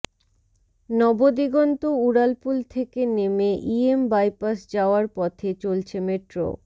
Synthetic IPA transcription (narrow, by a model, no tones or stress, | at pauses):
nɔbod̪iɡɔnt̪ouɽalpult̪ʰekenemeʔiembajpasd͡ʑaoaɾpɔt̪ʰet͡ɕolt͡ɕʰemeʈɾo̰